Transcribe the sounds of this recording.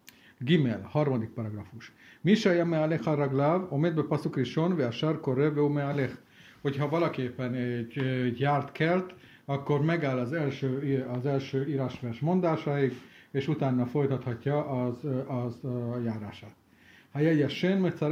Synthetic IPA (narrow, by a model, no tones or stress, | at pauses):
ɡimelhɒrmɒd̪ik̚pɒɾɒɡrɒfuʃmiʃɒjɒmɛalexɒɾɒɡlaːvomeːd̪̚bɛpɒsukriʃonveaʃarkoɾeveumealex | ho̞cɦɒvɒlɒkeːpːɛnɛɟɟjaːrt̪kɛlt̪ | ɒkːo̞rmɛɡaːlːɒzɛlʃøːɒzɛlʃøːiːɾaːʃʋɛrʃmo̞nd̪aːʃɒiɡeːʃut̪aːnːɒfo̞jt̪ɒt̪hɒcːɒʔɒzɒzjaːɾa̰ːʃaːt̪ | hajɛjɛʃenmet̪sɑ